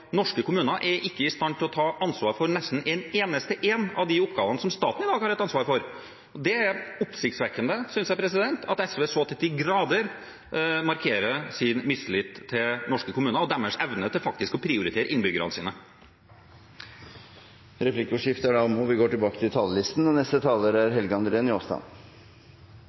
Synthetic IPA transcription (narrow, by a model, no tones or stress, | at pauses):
nɔʂkəkʊmʉːnɑʔɛɾʔɪkːəɪst̪ɑnt̪ʰːɪlɔt̪ʰɑːʔɑnsʋɑːɾfɔɾnɛst̪n̩ɛneːnəst̪əʔeːnɑ̰ʋd̪ɪʊpɡɑːʋənəsɔmst̪ɑ̰ːt̪n̩ɪd̪ɑːɡhɑɾɛt̪ɑnsʋɑːɾfɔɾ | ɔd̪ɛæɾʊpsɪkt̪sʋɛkːənd̪əsʏnsjæɪpʰɾɛs̬ɪd̪ɛnt̪ʰɑ̰t̪ɛsʋeːsoːt̪ʰɛt̪ɪːɡɾɑːd̪əɾ | mɑɾkʰeːɾəsɪnmɪslɪt̪ʰːɪnɔʂkəkʰʊmʉːnəɔd̪ɛmːəʂɛʋnət̪ʰɪlfɑk̚t̪ɪskɔpʰɾɪʊɾɪt̪eːɾəʔɪnbʏɡəɾə̰nəsiːnə | ɾɛpʰlɪkːʊʂɪft̪əəɖɑmɔʋɪɡoːʈɪlbɑːkət̪ɪlt̪ʰɑːlːəlɪst̪n̩ɔnɛst̪ət̪ʰɑːləɾæɾɦɛlɡəɑnd̪əɾeːnɪoːst̪ɑ̰n